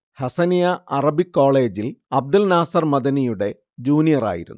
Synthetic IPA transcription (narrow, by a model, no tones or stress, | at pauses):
hɐsɐnjɐʔɐrɐbikːo̞ːɭe̞ːd͡ʑilɐb̚d̪ɐlnaːsɐrmɐd̪ɐnijuɽe̞ | d͡ʑuːnijɐra̰ːjḭɾṵnː